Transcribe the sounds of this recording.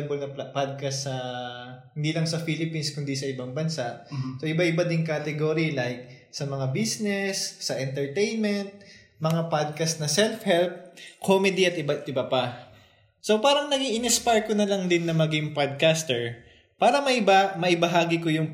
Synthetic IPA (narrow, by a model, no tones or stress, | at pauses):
bolnɐppad̪̚kɐsːɐ | hɪnd̪iːlɐŋsɐfilɪpinskʊnd̪isɐʔɪbaŋbɐnsaʔsoʔɪbaʔɪbad̪ɪŋkat̪ɛɡoɾilajk̚ | sɐmɐŋabisnɛsːɐʔɛnt̪ɛɹt̪ejnmɛnt̪̚ | mɐŋapad̪̚kɐsnɐsɛlfhɛlp̚kʰomɛd̪iɐt̪ʔɪbaɪbapɐ | so̞paːɾɐŋnɐɡiʔɪnɛspaɹkonɐlɐŋd̪ɪnːɐmɐɡɪŋpad̪̚kast̪ɛɹ | paːɾɐmɐʔɪbamɐʔɪbɐɦaːɡɪkojʊŋ